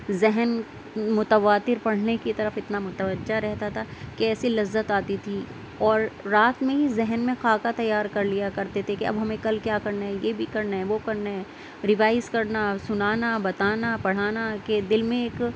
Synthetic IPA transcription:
zɛɦɛn | mʊt̪əʋaːt̪ɪɾpɐɽ̤nekit̪ɐɾəfɪt̪namʊt̪əʋəd͡ʒːaɾɛɦt̪at̪ʰakɛːsilɐzːət̪aːt̪it̪ʰi | ɔːɾːaːt̪mẽɦizɛɦɛnmẽxaːkat̪ɐjːaːɾkɐɾlijakɐɾt̪et̪ʰekeɐ̰bɦɐmẽkɐlkjaːkɐɾnaɦɛjeːbʱikɐɾnaɦɛʋokɐɾnaɦɛ̃ | ɾɪʋaːɪzkɐɾnasʊnaːnabɐt̪aːnapɐɽ̤aːnaked̪ɪlmẽeːk

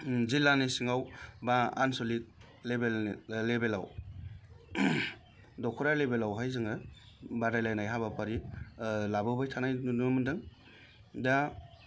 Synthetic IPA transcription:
zilanisiŋawbaa̰nsolik̚ | lebelːebela̰w | dɔkʰuɾalebelawɦajzɯŋɯ | badajlajnajɦabapaɾi | labɯbajtʰanajnunamɯndɯŋ | da

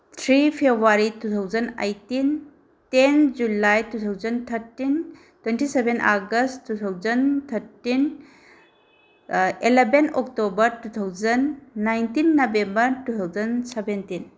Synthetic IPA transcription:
t̪ʰɾipʰebwaɾitut̪ʰawd͡ʒɐnɐ̰jtin | tend͡ʒulajtut̪ʰawd͡ʒɐnt̪ʰɐɾtin | twentisebenʔaɡəsttːut̪ʰawd͡ʒɐnt̪ʰɐɾtin | elebenɔk̚tobɐɾtut̪ʰawd͡ʒɐnːajntinːɐbembɐɾtutʰawzɐnsebentin

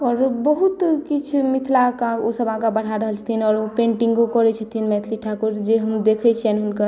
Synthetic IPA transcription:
ɔːɾbəɦut̪kit͡ʃʰmit̪ʰlakãosəbʱɦãkabəɽ̤aɾəɦəlt͡ʃʰə̥t̪ʰinɔːɾopẽɳʈiŋɡkokɔɾɛt͡ʃʰət̪ʰinmɛt̪ʰliʈʰakuɾd͡ʒeɦəmd̪ekʰɛt͡ʃʰiɛnɦunkəɾ

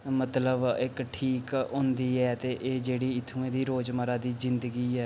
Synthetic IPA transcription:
mət̪ləbɪkʈʰiːkɦõːnd̪iːɛːt̪eːʔeːd͡ʒeːɽiːɪt̪ʰːũːẽːd̪iːɾoːd͡ʒməɾaːd̪iːzɪ̃nd̪əɡiːɛː

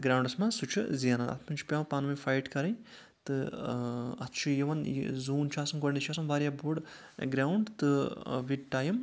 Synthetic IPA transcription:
ɡɾaːwɳɖɐsmasut͡ʃʰṵzijɐnanɐ̰t̪ʰpɐnt͡ʃʰi̥pʲɐmpaːnmɐjfajʈkɐɾɐj | t̪ɨ | ɐt̪ʰt͡ʃʰujiʋɐn̰zuːnt͡ʃʰaːsɐmɡoɽnit͡ʃʰaːsɐmʋaːɾjabuɽ | ɡɾaːwɳɖt̪ɨʋiʈʈaːjim

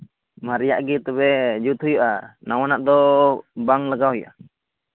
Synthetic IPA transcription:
maɾijaʔɡit̪ɔbɛd͡ʒut̪hujɔʔanawanaʔd̪ɔbaŋlaɡaɦɔjɔ̰ʔa

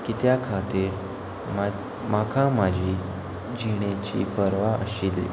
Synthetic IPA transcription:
kit̪jakʰat̪iɾ | ma | makʰamad͡ʑʱiː | d͡ʑiɽ̃et͡ɕḭːpəɾʋaʔə̰ɕilḭ

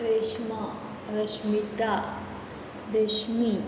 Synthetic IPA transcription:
ɾeːʃma | ɾɐʃmit̪a | d̪eːʃmi

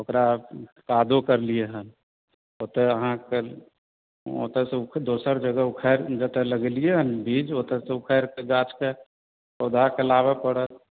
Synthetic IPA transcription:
okɾakaːd̪ʱokəɾlieɦən | oːt̪eəɦãke | o̰t̪eseʊkʰd̪oːsəɾd͡ʒəɡəʊkʰəɾd͡ʒət̪eləɡlieɦənbʱiːd͡ʒoːt̪eseʊkʰəɾkeɡaːt͡ʃke | od̪ʱakelaːbapəɽət̪̚

